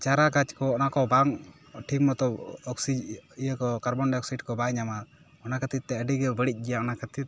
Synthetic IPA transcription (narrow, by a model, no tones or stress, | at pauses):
t͡ʃaɾakad͡ʒkɔɔnakɔbaŋ | ʈʰikmɔt̪ɔɔksid͡ʒijəkɔkaɾbɔnɖɛɔksiɖkɔbajɲama | ɔnakət̪it̪̚ːɛəɖiɡɛbəɽic̚ˀɡɛjaɔnakət̪it̪̚